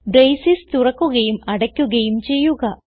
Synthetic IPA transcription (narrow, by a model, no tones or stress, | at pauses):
ɖɾejsist̪urɐkːuɣɐjumɐɽɐkʲːuɣɐjumt͡ɕe̞jːuɣɐ